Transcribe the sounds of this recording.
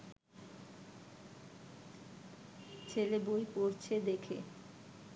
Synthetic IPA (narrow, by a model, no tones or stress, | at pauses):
t͡ɕʰelebojpoɾt͡ɕʰed̪ekʰḛ